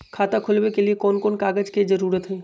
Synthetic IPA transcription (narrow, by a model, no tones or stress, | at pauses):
kʰaːt̪akʰʊlwekeliekɔːnkɔːnkaːɡəd͡ʒked͡ʒɐɾuːɾət̪ɦɛː